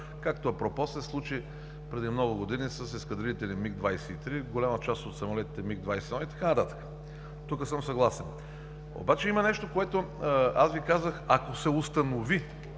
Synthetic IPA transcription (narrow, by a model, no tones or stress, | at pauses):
kakt̪oɐpɾopɔsɛslˠut͡ʃi | pɾɛd̪imnɔɡʊɡod̪inisəsɛskəd̪ɾiit̪ɛlimiɡd̪vajsɛit̪ɾiɡolʲamət͡ʃast̪ot̪sɐmolɛt̪it̪ɛmiɡ̚d̪vajsɛnɔit̪ɐ̥kanɐt̪at̪ə̥kə̥ | t̪ukəsəmsɐɡlˠasɛn | o̰bat͡ʃɛimɐnɛʃt̪okoɛt̪o | azvikazəxɐkosɛʊst̪ɐnovi